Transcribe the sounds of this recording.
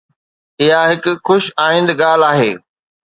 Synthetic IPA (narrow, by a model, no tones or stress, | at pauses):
ɪɦaɦɪkʊxʊʃaːɪ̃n̆d̪ɠaːl̤aːɦḛː